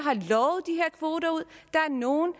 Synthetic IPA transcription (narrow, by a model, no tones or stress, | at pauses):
ɦɑ̈lɒʊð̩ˠd̥iɦeɐkʰʋo̝ːɾɐuð̞̰ˠd̥ɑ̈æɐno̝ːn̩